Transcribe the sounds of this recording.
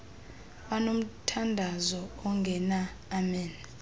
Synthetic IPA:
wanom̩tʰandʱazɔɔŋɡʱɛnaː | mɛːn

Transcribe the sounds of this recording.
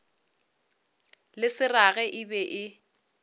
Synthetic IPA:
lɪsɪraɣɛʔɪbɛʔɪ

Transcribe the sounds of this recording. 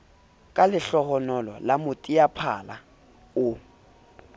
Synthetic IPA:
kʼalɪɬɔɣɔnɔlɔ̰lamʊtʼiapʰala̰ | ʊ

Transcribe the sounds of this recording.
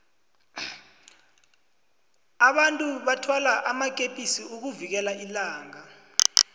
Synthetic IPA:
aɓantʼuɓatʰwalaʔamak̬ʼepʼisiuk̬uvik̬ɛlailaːŋa

